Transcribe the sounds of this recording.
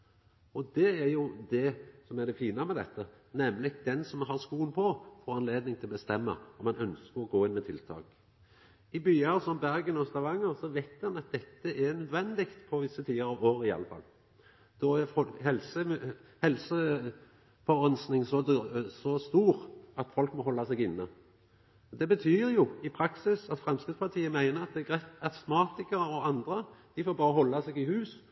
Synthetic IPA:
ɔd̪ɛæɾjʊd̪ɛsɔmæɾd̪ɛfiːnəmɛd̪ɛ̰t̪ːə | nɛmːlɪɡd̪ɛnsɔmɦɑɾskuːənpʰɔfɔɾɑnleːd̪nɪŋt̪ʰɪlbəst̪ɛmːə̰ɔmɑnœnskəɾɔɡoːɪnːmɛt̪ʰɪlt̪ʰɑ̰ːk | ɪbyːɑɾsɔmbæɾɡənɔst̪ɑʋɑŋːəɾsɔʋæt̪mɑnɑt̪̚d̪ɛt̪ːəʔɛnœd̪ʋɛnd̪ɪkt̪pʰɔʋɪsːət̪ʰiːəɾɑʋoːɾɪɑ̰lːəfɑ̰l | d̪̥ɔæfɔkhɛlsəhɛlsə | fɔɑnsnɪŋsɔsɔst̪uːɾɑt̪fɔlkmɔɦɔlːɑsɛɡɪnːə | ɔd̪ɛbət̪ʰyːɾjʊɪpʰɾɑksɪsɑt̪fʁɛmskɾɪd̪spʰɑt̪ʰiːəmæɪnəɑt̪̚d̪ɛɡʁɛt̪ɑsmɑːt̪ɪkəɾɔɑnd̪ʁəd̪̥ɪfoːɾbɑːɾəɦɔlːɑsɛɡɪhʉːs

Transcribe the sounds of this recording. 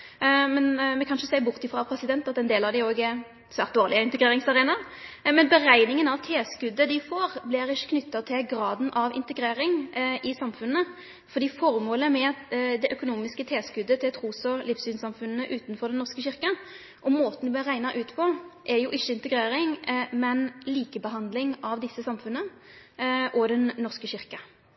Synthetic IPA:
mɛnmɛkʰɑnʂəsæɪəbʊʁt̪ɪfʁɑpʰɾɛsɪd̪ɛnt̪ɑt̪ɛnd̪eːlɑʋd̪ɛɪoːɡəɛ | sʋæːʁt̪d̪oːʁlɪəɪnt̪əɡɾeːɾɪŋsɑɾeːnɑ | mɛnbəʁæɪnɪŋənɑʋt̪ʰeːskʉd̪ːəd̪ɪfoːɾblɪɾɪʃːə̥kʰnʏt̪ːɑt̪ʰɪlɡɾɑːd̪n̩ʔɑʋɪ̰nt̪əɡɾeːɾɪŋʔɪsɑmfʉnːə | fɔɾd̪iːfɔɾmoːləmɛd̪ɛʔœkʊnuːmɪskət̪ʰeːskʉd̪ːət̪ʰɪlt̪ʰʁuːsɔlɪfsyːnsɑmfʉnːəʔʉːt̪nfɔɾd̪ɛnːɔʁskəɕɪɾkə | ʔɔmmoːt̪n̩d̪ɪb̪lɪɾːæɪnɑʔʉːt̪pʰɔʔɛɾjʊʔɪçːəɪnt̪əɡɾeːɾɪŋmɛnliːkəbəɦɑnd̪lɪŋɑʋd̪ɪsːəsɑmfʉnːə | ʔɔd̪ɛnnɔʁskəɕɪʁkɑ

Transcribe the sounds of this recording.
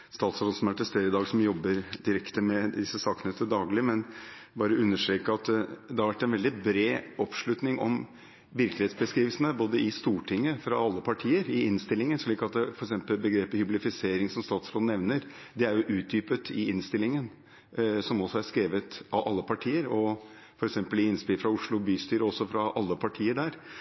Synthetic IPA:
st̪ɑːt̪sɾoːd̪̩sɔmæʈ̪ɛst̪eːɾɪd̪ɑːɡsɔmjɔbːəɾd̪ɪɾɛkt̪əmɛd̪ɪsːəsɑːknət̪ʰəd̪ɑːɡlɪmɛn | bɑːɾəʉnːəʂʈɾeːkːəɑt̪d̪ɛhɑɾʋæʈːɛnʋɛld̪ɪbɾeːɔpʂɭʉt̪nɪŋʔɔ̰m | ʋɪɾklɪeːt̪sbəskɾiːʋəlsən̩əboːd̪əɪst̪uːʈʰɪŋːəfɾɑɑlːəpʰɑʈʰiːəɾɪɪnst̪ɪlːɪŋənʂɭiːkɑt̪̚d̪fɔɾɛksɛmpəlbəɡɾeːpəhʏblɪfɪseːɾɪŋsɔmst̪ɑːt̪sɾoːnɛʋnəɾ | d̪ɛæɾjʊʔʉːt̪̚d̪yːpət̪ʰɪɪnst̪ɪlːɪŋən | sɔmɔsɔæʂkɾeːʋət̪ʔɑʔɑlːəpʰɑʈʰiːəɾɔ | fɔɾɛksɛmpəlɪɪnːspɪlfɾɑʊʂɭʊbyːst̪yːɾəɔsːɔfɾɑʔɑlːəpʰɑʈʰiːəɖæːɾ

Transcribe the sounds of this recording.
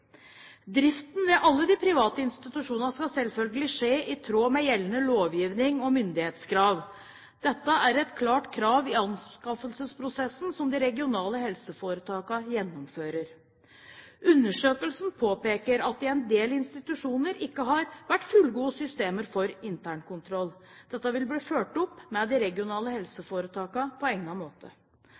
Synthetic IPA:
d̪ɾɪft̪n̩ʋɛʔɑlːəd̪ɪpʰɾɪʋɑːt̪əɪnst̪ɪt̪ʉʂuːnənskɑsɛlfœlɡəlɪʂeːʔɪt̪ʰɾoːmɛjɛlːənəloːʋjiːʋnɪŋɔmʏnd̪ɪheːt̪skʰɾɑːʋ | d̪ɛt̪ːəæɾɛt̪kʰlɑːʈkʰɾɑːʋɪɑnskɑfəlsəspʰɾʊsɛsn̩sɔmd̪ɪɾɛɡɪʊnɑːləhɛlsəfoːɾət̪ʰɑːkɑjɛnːʊmføːɾəɾ | ʔʉnːəʂøːkəlsn̩pʰoːpeːkəɾɑt̪̚d̪ɪɛnd̪eːlɪnst̪ɪt̪ʉʂuːnəɾɪkːəɦɑɾʋæʈːfʉlɡuːsʏst̪eːməɾfɔɾɪnt̪ʰæːɳkʊnt̪ʰɾɔlːd̪̥ɛt̪ːəʋɪlbliːføːʈɔpːmɛd̪ɪɾɛɡɪʊnɑːləhɛlsəfoːɾət̪ʰɑːkɑpʰɔɛŋnɑmoːt̪ʰə

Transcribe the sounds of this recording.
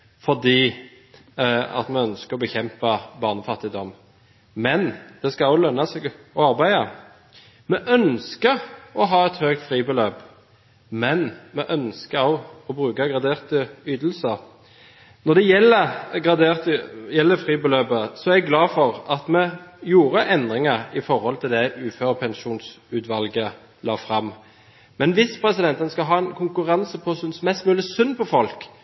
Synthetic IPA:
fɔd̪iː | ɑ̰t̪mɛœnskəɾɔbəçɛmpɑbɑʁnəfɑt̪ːɪd̪ɔm | mɛnd̪̥ɛskɑɔʊlœnːɑsɛɡɔɑʁbæɪɑ | mɛʔœnskəɔɦɑːɛt̪høːkt̪fʁiːbəløːp | mɛnmɛʔœnskəɾɔʊɔbʁʉːkɑɡʁɑd̪eːʁt̪əyːd̪l̩sə | nɔd̪ɛjɛlːəɡʁɑd̪eːʁt̪əjɛlːəfʁiːbəløːbəsɔɛæɾɡlɑːfɔʁɑt̪mɛjuːɾəʔɛnd̪ʁɪŋəɪfɔɾhɔlt̪ʰɪld̪ɛʉːføːʁpʰɛnʃuːnsʉːt̪ʋɑlɡə | lɑ̰ːfʁɑmː | mɛnʋɪspʰɾɛsɪd̪ɛnt̪ɛnskɑɦɑːɛnkʰʊŋkʉɾɑnsəpʰɔsʉnsmɛst̪mʉːlɪsʉnːpʰɔfɔlk

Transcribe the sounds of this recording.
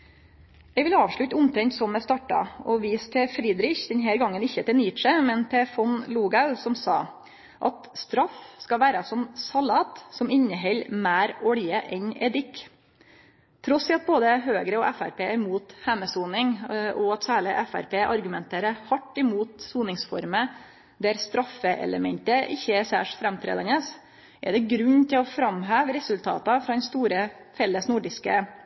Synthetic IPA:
ɛːɡʋɪlɑːʋʂɭʉt̪ːʊmt̪ʰɾɛŋt̪sɔmːɛst̪ɑːʈːɑ̰ɔʋiːst̪ʰɛfɾiːd̪ɾɪçd̪ɛnɦæːɾɡɑŋːənɪçːət̪ɪniːt̪ʃəmɛnp̪ʰɛfɔnluːɡɑʉsɔmsɑː | ʔɑt̪st̪ɾɑfskɑʋæːɾɑsɔmsɑlɑːt̪sɔmɪɲːəɦɛlːmæːɾɔɽjəʔɛnɛd̪ɪk | t̪ʰɾɔsɪɑt̪̚boːd̪əɦøːɡɾəɔʔæfæ̰ɾpʰeːæɾmuːt̪hæməsuːnɪŋʔɔɑt̪sæːɭɪʔæfæ̰ɾpeːʔɑɾɡʉmɛnt̪ʰeːɾəhɑʈːɪmuːt̪suːnɪŋsfɔ̰ɾmə | d̪æɾst̪ɾɑfəʔɛ̰lə̰mɛnt̪əʔɪçːəæsæ̰ːʂfɾɛmt̪ʰɾḛːd̪ɑnəs | ʔɛ̰ɖɛɡɾʉɲt̪ʰɪlɔfɾɑmɦæːʋɾɛsʉlt̪ʰɑ̰ːt̪ɑfɾɑd̪ɛnst̪uːɾə | fɛlːəsnuɖɪskə̰

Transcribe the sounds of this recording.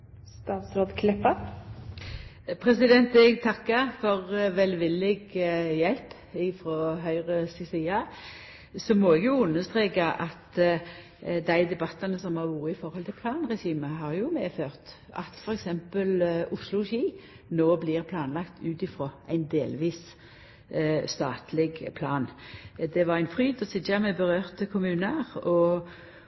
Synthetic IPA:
st̪ɑːt̪sɾoːd̪kʰlɪpːɑ | pʰʁɛsɪd̪ɛnt̪ɛɡt̪ʰɑkːəfɔʁʋɛlʋɪlːɪɡjɛlp | ɪfɾoːɦœʏʁəsisiːɑ | sɔmɔɛɡjʊʉnːəst̪ʁeːkɑʔɑt̪ | d̪æɪd̪ɛbɑt̪ːɑnəsɔmhɑʁʋuːɾəɪfɔɾhɔlt̪ʰɪlpʰlɑːnʁɛɕiːməɦɑɾjʊmɛːføːʁt̪ | ʔɑ̰t̪fɔɾɛksɛmpəlʊslʊʃiː | noːblɪʁpʰlɑːnlɑkt̪ʰʉːt̪ɪfɾoːʔæɪnd̪eːlʋiːs | st̪ɑːt̪lɪɡpʰlɑ̰ːnd̪ɛʋɑʁæɪnfʁyːd̪ɔsɪd̪ɑmɛbəʁøːʁt̪əkʰʊmʉːnəʁɔ

